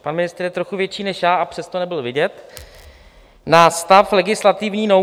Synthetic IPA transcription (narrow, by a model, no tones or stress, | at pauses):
panmɪnɪst̪ɾjɛt̪ɾoxuvjɛt͡ʃiːnɛʃjaːʔapr̥ɛst̪onɛbɪlvɪɟɛt̪ | nast̪aflɛɡɪslat̪ɪvɲiːno